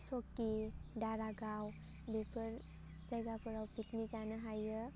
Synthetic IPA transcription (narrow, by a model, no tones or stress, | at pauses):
sɔkːidaɾaɡaw | bepʰəɾ | zajɡapɯɾawpik̚nizanɯɦajɯ